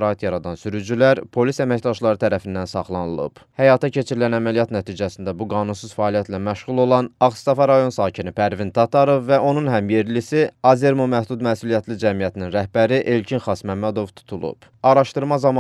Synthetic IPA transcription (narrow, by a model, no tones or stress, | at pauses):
ɾɑːit̪ʰjɑɾɑd̪ɑnsyɾyd͡ʒylæɾpʰo̞lisæmæcd̪ɑʃlˠɑɾɯt̪ʰæɾæfind̪ænsɑχlˠɑnɯlˠɯ̰b̥hæjɑt̪ʰɑcʰe̞t͡ʃʰiɾilænæmælijɑt̪næt̪ʰiːd͡ʒæsind̪æbuɡɑːnunsuz̥fæːlijæt̪læmæʃʁulˠo̞lˠɑnɑχst̪ɑfɑɾɑjo̞nsɑːcʰinipʰæɾvint̪ʰɑt̪ʰɑɾo̞vːæʔo̞nunɦæmje̞ɾlisiɑze̞ɾmomæhd̪ud̪mæsulijæt̪ʰlid͡ʒæmijæt̪ʰininɾæhbæɾiʔe̞lcʰinχɑsmæmːæd̪o̞vt̪ʰu̥t̪ʰulˠṵb̥ | ɑɾɑʃt̪ɯɾmɑzɑmɑ